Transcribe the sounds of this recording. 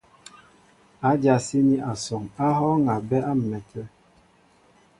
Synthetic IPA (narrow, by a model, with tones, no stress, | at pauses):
a˨˦dja˨si˦ni˦ʔa˨sɔ˨ŋa˦ɦɔ˦ŋa˨bɛ˦a˦m̩˨mɛ˨tɛ˦